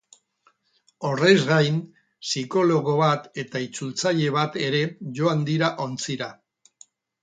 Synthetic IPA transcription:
o̞rezɣajn | siko̞lo̞ɣo̞βat̪e̞t̪ait͡sult͡saʎe̞β̞at̪e̞ɾe̞ʝo̞and̪iɾaʔo̞nt͡siɾa

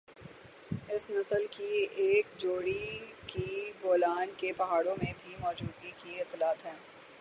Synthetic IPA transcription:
ɪsnɐsəlkieːkd͡ʒoːɽikiboːlaːnkepɐɦaːɽõmẽbʱimɔːd͡ʒuːd̪ɡikiɪt̪laːt̪ɦɛ̃ː

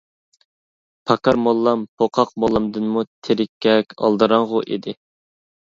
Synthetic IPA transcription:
pʰɑkɑɾmolˠːɑmpʰoqʰɑq̚molˠːɑmd̪ɨnmut̪ʰeɾɪkʲːɛkʲɑ̰lˠd̪ɨɾɑŋʁʊʔid̪ɪ

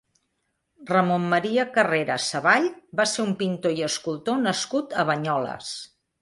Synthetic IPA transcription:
rəmomːəɾiəkəreɾəsəβaʎbaseumpint̪oiəskulˠt̪onəskut̪əβəɲɔlə̰s

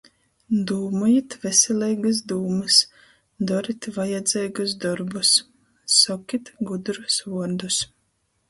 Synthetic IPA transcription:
d̪uːmɔjit̪vɛsʲɛlʲɛjɡas̬d̪uːmɨs | d̪ɔɾit̪vajɛd̪zʲɛjɡusd̪ɔɾbusː | ɔkʲit̪ɡud̪ɾusuɔɾd̪us

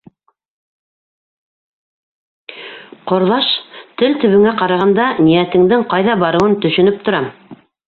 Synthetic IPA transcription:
qŏɾðɑʃt̪ɘlt̪ɵ̆βɘ̆ŋæqɑɾɑʁɑnd̪ɑnijæt̪ɘ̆ŋd̪ɘŋqɑjðɑbɑɾɤ̆wɤnt̪ɵ̆ʃɵ̆nɵp̚t̪ŏɾɑ

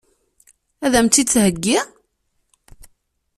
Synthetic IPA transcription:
æðæmt̪ːit͡sːɦəɡːi

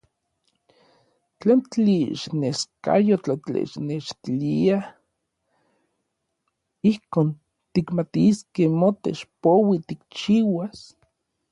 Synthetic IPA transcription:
t͡ɬent͡ɬeʃneska̰jot͡ɬat͡ɬḛʃneʃt̪ilia | ihkoːn | t̪ikmat̪iskehmot̪ḛt͡ʃpowit̪ikt͡ʃiwas

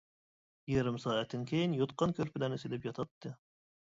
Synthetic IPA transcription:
jeɾɪmsɑːɛt̪ʰːɪnkʲʰejinjot̪̚qɑnkʲʰøɾpʰɪlɛnɪsɪd̪ɛpjɑt̪ʰɑt̪ʰːɨ

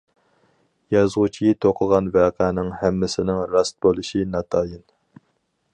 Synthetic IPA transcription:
jɑzʁʊt͡ʃʰijit̪ʰoqʰəʁɑnvɛːqʰæːnɪŋhæmːɪsɪnɪŋɾɑst̪̚bolˠɨʃinɑt̪ʰɑːjin

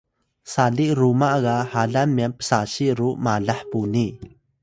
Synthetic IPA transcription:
saliʔɾumaʔɣahaɮamːiampə̥saɕiʔɾuʔmaɮaħpuni

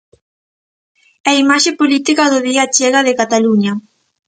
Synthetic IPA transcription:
aimaʃepolit̪ikɐðʊðiat͡ʃɛɣɐðɪkat̪aluɲɐ

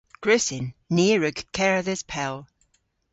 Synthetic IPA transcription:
ɡ̥ɹɪsɪnːiːɹʉɡkʰːɛɹəðɪz̥pʰɛlˠ

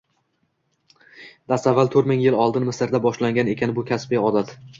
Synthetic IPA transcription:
d̪̥ast̪avːalˠt̪ʰɵɾmɪŋjɪlɒlˠd̪ɪnmɪsɪɾd̪abɒʃlaŋɡʲane̞kʲanɪbʊkʲʰasbijɒd̪at̪

